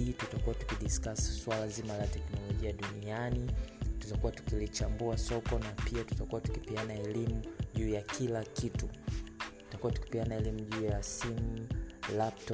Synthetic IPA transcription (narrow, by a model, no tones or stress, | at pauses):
itutakuwatu̥kiɗiskasi̥swalazimalatɛknɔlɔʄiaɗunianitutakuwatu̥kilit͡ʃambuasɔkɔnapiatu̥takuwatu̥kipianaɛlimuʄuːjakʰilakitutu̥takuwatu̥ki̥pianaɛlimuʄuːjasim̩laptɔ